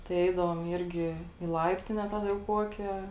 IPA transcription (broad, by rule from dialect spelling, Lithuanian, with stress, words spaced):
tɐɪ ˈɛɪdɐʋoːm ˈɪrʲɡʲɪ iː ˈlˠɐɪpʲtʲɪnʲɛ ˈtɑːˌdɐ jɛʊ ˈkuɔkʲeː